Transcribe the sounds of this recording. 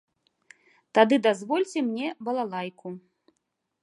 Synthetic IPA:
t̪ad̪ɨd̪azvɔlʲt͡sʲɛmnʲɛbɐlˠalˠajku

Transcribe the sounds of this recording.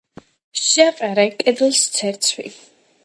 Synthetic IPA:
ʃaqʼaɾɛkʼɛd̪lˠst̪sʰɛɾt̪sʰwḭ

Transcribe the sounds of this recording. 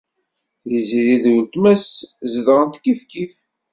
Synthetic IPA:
jəziðiðwlt̪mæszðʁənt̪kːifkif

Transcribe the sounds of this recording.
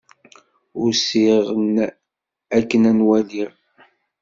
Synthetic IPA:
ʊɾsiʁn | ækːənænwæliʁ

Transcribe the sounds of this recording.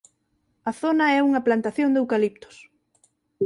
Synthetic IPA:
ɐθonɐɛuŋɐplant̪aθjoŋd̪ewkalip̚t̪ʊ̥s

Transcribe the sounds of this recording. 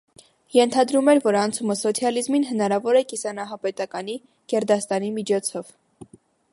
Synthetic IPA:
jɛnt̪ʰɑd̪ɾumɛɾvɔɾɑnt͡sʰuməsɔt͡sʰjɑlizminɦənɑɾɑvɔɾɛkisɑnɑɦɑpɛt̪ɑkɑni | kɛɾd̪ɑst̪ɑnimit͡ʃʰɔt͡sʰɔv̥

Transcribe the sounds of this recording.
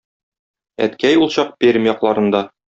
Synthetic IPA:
æ̰t̪kæjulˠɕɑq̚pʲeɾʲmjɒqlˠɑɾɤ̆nd̪ɑ

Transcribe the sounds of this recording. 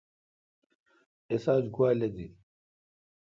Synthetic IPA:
esaːd͡ʑɡwaːlɐd̪i

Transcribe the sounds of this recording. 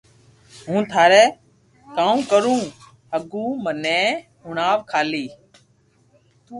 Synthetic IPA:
ɦũːt̪ʰaːɾɛː | kãːũːkəɾũː | ɦəɠũːmənẽːɦʊɳaːʋkʰaːliː

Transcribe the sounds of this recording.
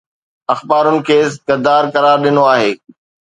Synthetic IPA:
ɐxbaːɾʊnɪ̆kʰeːskɐd̪aːɾkɐɾaːɾɗɪnoaːɦeː

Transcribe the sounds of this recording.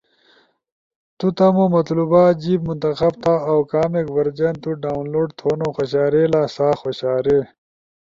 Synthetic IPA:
t̪ut̪ɐmomɐt̪luːbaːd͡ʑiːbmunt̪ɐxɐbt̪aːɐwkaːmekvɐɾd͡ʑent̪uɖaːnloːɖt̪ʰoːnoxɐɕaːɾeːlaːsaːxoɕaːɾe

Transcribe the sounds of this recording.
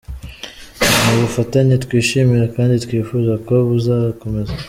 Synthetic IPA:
nuβufataɲitkwiːʃimiɾekaːnditkwiːfuzakoβuzaβkomeza

